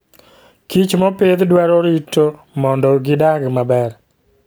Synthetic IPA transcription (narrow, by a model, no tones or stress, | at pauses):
kit͡ʃmɔped̪dwɛɾɔɾitːo | mɔndɔɡɪdaɡmabɛr